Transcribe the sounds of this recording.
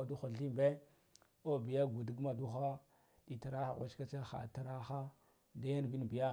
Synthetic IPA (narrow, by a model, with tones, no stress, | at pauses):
a˨du˦xa˨ɬi˦mbe˦ | o˦bi˨ja˦ɡu˨di˦ɡma˨du˦xa˦ | ɗi˨ta˨ɾa˦xa̰˨ɣʷa˦t͡ʃka˦t͡ʃa˦xa̰˨ta˦ɾa˦xa˦ | da˦ja˦n˨bi˦n˨bi˨ja˦